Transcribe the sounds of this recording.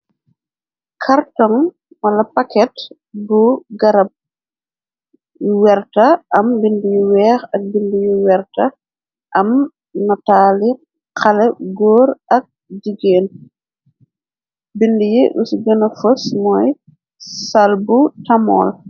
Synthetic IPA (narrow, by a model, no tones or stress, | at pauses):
kʰartɔŋ | mɐlɐpɐkɛt | buɡɐɾɐp̚ | wɛɾtɐʔɐmbindijiwɛːxɐk̚bindijiwɛɾtɐ | ʔɐm | nɐtaːli | qʰɐlɛɡɔːɾɐk̚ | diɡeːn | bindijiʔusuɡɐnɐfosmɔj | sɐlbutɐmɔ̰ːl